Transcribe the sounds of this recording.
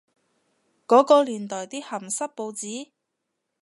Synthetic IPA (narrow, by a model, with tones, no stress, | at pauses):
kɔː˨˥kɔː˧liː˨˩nt̪ɔː˨˩jt̪iː˥hɐ˨˩msɐ˥t̚po˧wt͡siː˨˥